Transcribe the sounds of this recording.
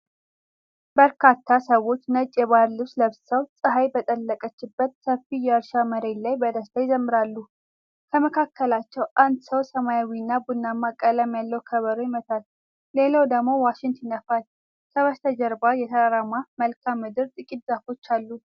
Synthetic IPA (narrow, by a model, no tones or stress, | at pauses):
bəɾkʰat̪ʰːasəwo̞t͡ʃːnət͡ʃʼːjɛβaɾlɨbsləβssəwsʼɨɦajbət̪ʼəlːəkʼət͡ʃːɪbːət̪səfːijɛəɾʃaməɾe̞nlajbəd̪əst̪ʰajɪzəmːɨɾalːu | kʰəməkʰakːəlat͡ʃːɛwʔand̪səwsəmajawinːabunːamːakʼələmjalːəwkʰəβəɾojɪmət̪ʰal | le̞lawd̪əɡmo̞waʃɪnt̪jɪnəfal | kʰəβəst̪ʰəd͡ʒəɾbajɛt̪ʰəɾaɾamaməlkʰamːɨd̪ɨɾt̪ʼɨkʼit̪zafo̞t͡ʃːalːu